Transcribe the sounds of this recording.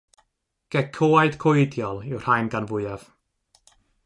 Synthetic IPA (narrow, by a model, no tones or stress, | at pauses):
ɡ̥ɛkʰoajd̥kʰojdjɔlˠɪwr̥hajnɡanvʊɨav̥